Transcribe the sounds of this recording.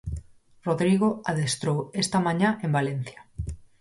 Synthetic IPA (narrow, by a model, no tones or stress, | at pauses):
roðɾiɣoaðest̪ɾowest̪ɐmãɲaʔembalen̟θjɐ